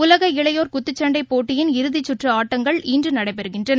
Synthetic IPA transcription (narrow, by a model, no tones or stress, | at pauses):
ʊlɐɣɐɪɭɐjoːɾkʊt̪ːɯt͡ʃːɐɳɖɐɪpːoːʈːɪjɪnɪɾɯðɪt͡ʃːʊʈrɯaːʈːɐŋɡɐɭiːndrɯnɐɽɐɪpɛɾɯɣɪndrɐn